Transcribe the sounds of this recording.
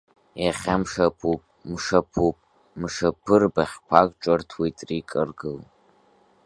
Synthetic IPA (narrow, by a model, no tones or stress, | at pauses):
jaχʲamʂɐpʰupʼmʂɐpʰupʼ | mʂɐpʰɨrbaχʲpʷʰakʼʈ͡ʂʷʼɔrtʰwitʼrikʼɨrɡɨl